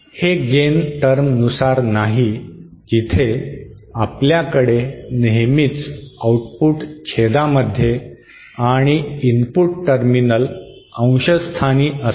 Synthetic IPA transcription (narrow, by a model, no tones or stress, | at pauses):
heɡenʈəɾmnusaɾnaɦi | d͡ʑit̪ʰe | apljakəɽeneɦmiːt͡sawʈpuːʈkʰed̪aməd̪ʱːje | aɽ̃iinpuʈʈəɾminəl | ə̃w̃ɕəst̪ʰaniːʔə